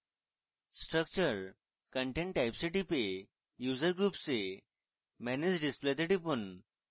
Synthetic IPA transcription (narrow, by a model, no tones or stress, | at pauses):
sʈɾək̚t͡ɕəɾ | kəɳʈẽɳʈːajpsiʈipe | juzəɾɡɾupse | mæned͡ʑɖisplet̪eʈipun